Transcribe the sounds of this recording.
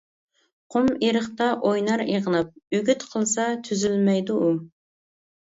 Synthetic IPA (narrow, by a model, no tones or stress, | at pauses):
qʰʊmeɾəχt̪ɑʔojnɑɾiʁənɑp̚yɡʲyt̪qʰəlˠsɑt̪ʰyzylmɛjd̪uʔu